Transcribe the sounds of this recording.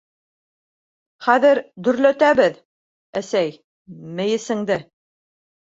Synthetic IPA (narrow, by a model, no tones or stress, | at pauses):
χæðɘɾd̪ɵ̆ɾlæt̪æβɘð | æsæj | mɘ̆jɘ̆sɘ̆ŋd̪ɘ